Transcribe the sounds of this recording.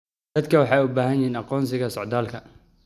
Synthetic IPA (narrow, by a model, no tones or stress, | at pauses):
d̪ɐd̪kʰɐwɑħɑjʊbaːɦɐnjɪhiːnɑqɔːnsɪɣɐsɔʕd̪aːlkʰɐ